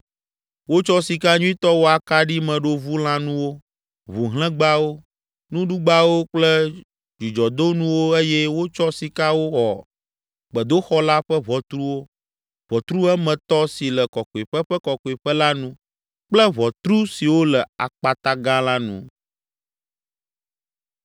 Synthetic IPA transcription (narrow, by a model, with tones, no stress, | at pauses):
wo˦t͡ʃɔ˦si˨ka˦ɲũ˦ĩ˦t̪ɔ˦wo˦a˨ka˦ɖi˦mɛ̃˨ɖo˦vu˦l̃ã˦nũ˦wo˦ | βu˨ɦlɛ̃˦ɡ͡ba˦wo˦ | nũ˦ɖu˦ɡ͡ba˦wo˦k͡plɛ˦ | d͡ʒi˨d͡ʒɔ˨d̪o˦nũ˦wo˦e˦jɛ˦wo˦t͡ʃɔ˦si˨ka˦wo˦xɔ̰˨ | ɡ͡bɛ˨d̪o˦xɔ˦la˦ɸɛ˦vɔ˨t̪ɾu˦wo˦ | vɔ˨t̪ɾu˦ɛ˦mɛ̃˨t̪ɔ˦si˨lɛ˨kɔ˨ko˨i˨ɸɛ˦ɸɛ˦kɔ˨ko˨i˨ɸɛ˦la˦nũ˦ | k͡plɛ˦βɔ˨t̪ɾu˦si˨wo˦lɛ˨a̰˨k͡pa˨t̪a˦ɡã˦la˦nṵ̃˦˨